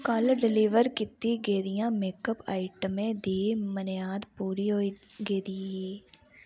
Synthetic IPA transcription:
kəlɖɪliʋəɾkɪt̪ːiɡeːd̪ɪjãːmeːkəpaːɪʈəmẽːd̪iːmənjaːd̪puːɾiːɦoi | ɡeːd̪iiː

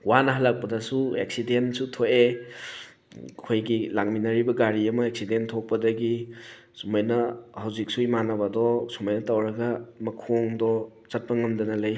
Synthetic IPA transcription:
wanɐɦalak̚pɐdɐsueksidensutʰoʔe | kʰojɡilaŋminɐɾibɐɡaɾiɐmɐek̚sidentʰok̚pɐdɐɡi | sumajnɐhawzik̚suimanɐbɐdɔsumajnɐtawɾɐɡɐmɐkʰoŋdɔ | t͡ʃɐt̚pɐŋɐmdɐnɐlɐj

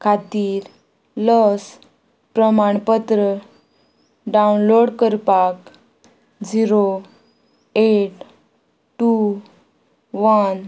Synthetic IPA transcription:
kʰat̪iːɾ | ləs | pɾəmaɳpət̪ɾə | ɖaunloɽkəɾpak | d͡ziɾo | eʈ | ʈu | ʋən

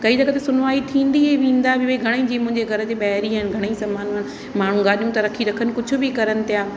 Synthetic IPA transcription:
kɐid͡ʑɐɡət̪esʊnʋaːit̪ʰĩːn̆d̪ieʋĩːn̆d̪abʱɪʋeiɡʱɐɽ̃ẽd͡ʑiːmʊ̃ɦɪ̃ɲd͡ʑeɡʱɐɾəd͡ʑeːɓɐɦɾiaɪnɡʱɐɽ̃eisɐmaːnn | maːɽ̤ũɡaːɗijũt̪ɐɾɐkʰiɾɐkʰənɪ̆kʊd͡ʑʱʊ̆bɪkɐɾənɪ̆t̪ijaː

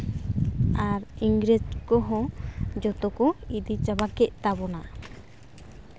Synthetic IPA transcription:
aɾiŋɡɾed͡ʒkɔɦɔ̃d͡ʒɔt̪ɔkɔid̪it͡ʃabakɛʔt̪aβɔna

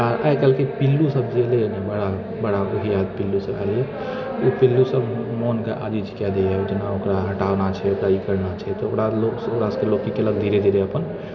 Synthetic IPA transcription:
aʔa̰jkɛlkepilːusəbd͡ʒelenebəɽa | bəɽauɦijad̪pilːusəba̰le | upilːusəbmonkeʔa̰d͡ʒid͡ʒʰi̥kad̪ead͡ʒenaokɾaɦəʈawnat͡ʃʰɛokɾaikəɾnat͡ʃʰɛt̪ɔokɾalosokɽaskelokːikelək̚d̪ʱiɾed̪ʱiɾeəpən

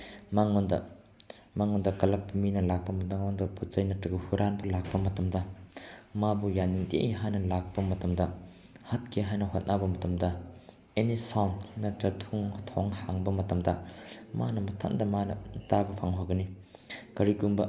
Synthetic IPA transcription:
maŋɔndɐ̰ | maŋɔndɐkɐlɐk̚piminɐlak̚pɐmɐtɐŋndɐputt͡ʃɐjnɐtɾɐɡɐhuɾanbɐlak̚pɐmɐtɐmdɐ | mabujanːiŋtḛʔɦajnɐlak̚pɐmɐtɐmdɐ | hɐt̚kʰeɦajnɐɦot̚nabɐmɐtɐmdɐ | enisawnnɐtɾɐtʰuŋtʰɔŋhaŋbɐmɐtɐmdɐma̰nɐmɐtʰa̰ndɐmanɐ̰tabɐpʰaŋɦoɡɐni | kɐɾikumbɐ

